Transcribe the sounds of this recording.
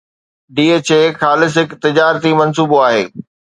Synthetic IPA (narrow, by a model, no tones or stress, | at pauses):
ɖiːet͡ɕeːxaːlɪs̬ɦɪkt̪ɪd͡ʑaːɾt̪imɐnsuːboaːɦḛː